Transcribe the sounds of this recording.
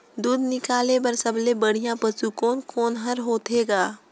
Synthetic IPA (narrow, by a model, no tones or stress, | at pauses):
d̪uːd̪nɪkaːlepɐɾsɐblebɐɽ̤ijãpət͡ʃukoːnkoːnɦɐɾɦoːt̪eːɡaː